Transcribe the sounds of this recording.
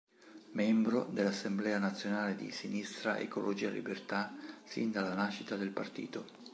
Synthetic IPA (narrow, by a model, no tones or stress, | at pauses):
mɛmbɾod̪elːasːemblɛːanat̪sːjonaːled̪ḭsinist̪ɾa̰ʔḛkolʔod͡ʒiːalḭbert̪asḭnd̪alanaːʃːit̪ad̪elpart̪ḭːt̪o